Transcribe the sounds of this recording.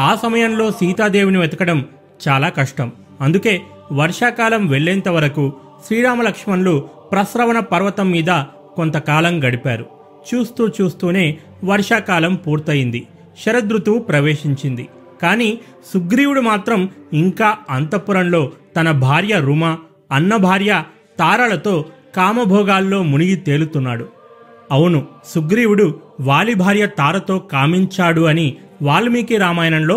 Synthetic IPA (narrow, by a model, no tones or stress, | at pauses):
aːsɐmɐjɐnlo̞ːsiːt̪aːd̪e̞ːʋuniʋɛt̪ɐkɐɽɐm | t͡ʃaːlaːkɐʂʈɐm | ɐnd̪uke̞ː | ʋɐɾʂaːkaːlɐmʋeɭːɛnt̪ɐʋɐɾɐku | ʃɾiːɾaːmɐlɐkʂmɐnlu | pɾɐsɾɐʋɐnɐpɐɾʋɐt̪ɐmːiːd̪ɐ | ko̞nt̪ɐkaːlɐmɡɐɽipaːɾu | t͡ʃuːst̪uːt͡ʃuːst̪uːne̞ː | ʋɐɾʂaːkaːlɐmpuːɾt̪ɐjind̪i | ʃɐɾɐd̪ɾut̪upɾɐʋe̞ːʂiɲt͡ʃind̪ḭ | kaːniː | suɡɾiːwuɽumaːt̪ɾɐmiŋkaːɐnt̪ɐpːuɾɐnlo̞ːt̪ɐnɐbʱaːɾjɐɾuma | ɐnːɐbʱaːɾjɐ | t̪aːɾalɐt̪o̞ːkaːmɐbʱɔːɡaːlːo̞ːmuniɡit̪e̞ːlut̪unːaːɽu | ɐwunusuɡɾiːwuɽuʋaːlibʱaːɾjɐt̪aːɾɐt̪o̞ːkaːmiɲt͡ʃaːɽuɐni | ʋaːlmiːkiɾaːmaːjɐnɐnlo̞ː